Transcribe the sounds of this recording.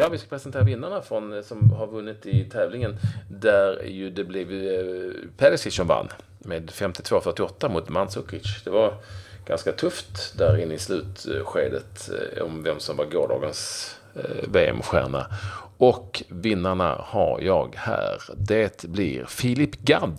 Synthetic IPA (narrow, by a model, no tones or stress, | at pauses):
jɑːvɪskḁpʰɾɛsɛnt̪ʰeːɾavɪnːaɳafɾɔnsɔmhaɾvɵnːɪt̪ɪt̪ʰɛːvlɪŋənd̪æɾjɵd̪ɛblɪv | pʰɛlɪsɪsɔmva̰nː | meːd̪fɛmt̪ɪ̥t̪ʰvoːfœʈːɪɔt̪ːamʊt̪mansʊkːɾɪt̪ʂd̪ɛvaɾɡ̥anskat̪ʰɵft̪d̪æɾɪnːəɪslʉ̟ːt̪ɧeːd̪ət̪ɔ̰mvɛmsɔmvaɾɡoːɖɑ̰ːɡəns | veːɛ̰mɧæ̰ːɳa̰ɔkvɪnːaɳa̰haɾjɑːɡhæ̰ːɾd̪et̪blɪ̰ɾfɪlɪpːɡad̪